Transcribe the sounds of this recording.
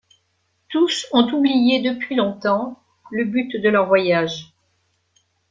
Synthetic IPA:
t̪usɔ̃t̪ublijed̪əpɥilɔ̃t̪ɑ̃ | ləbyt̪d̪əlœʁvwajaʒ

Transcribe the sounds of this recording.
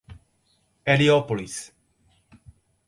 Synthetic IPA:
eliopolis

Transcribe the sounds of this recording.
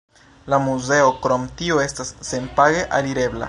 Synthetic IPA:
lamuze̞o̞kɾo̞mtio̞e̞stasːe̞npaɡe̞ʔaliɾe̞bla̰

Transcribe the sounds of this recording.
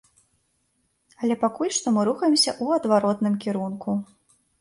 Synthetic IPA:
ɐlʲɛpakulʲʂt̪ɔmɨɾuxɐjɛmsʲɐʔuɐd̪vaɾɔt̪nɨmkʲiɾunku

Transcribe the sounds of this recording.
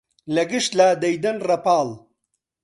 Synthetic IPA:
lɐɡiʂt̪laːd̪ɐjd̪ɐnɾɐpaːl

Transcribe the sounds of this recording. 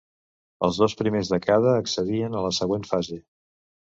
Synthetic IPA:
ə̰lˠzðospɾimezðəkað̞əːksəðiənələsəɣwenfaze

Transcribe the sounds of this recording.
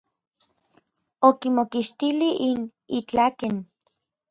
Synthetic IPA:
okimokiʃt̪iliinit͡ɬaken

